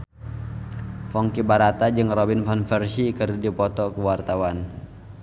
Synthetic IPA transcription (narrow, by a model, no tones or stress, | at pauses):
fɔŋkibaɾat̪ad͡ʒɨŋrɔbinfanfɛrsikəridipɔt̪ɔkuwart̪awan